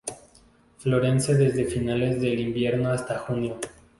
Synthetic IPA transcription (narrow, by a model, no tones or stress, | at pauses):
flo̞ɾe̞nseðe̞zðe̞finale̞zðe̞limbje̞ɾno̞ast̪axunjo̞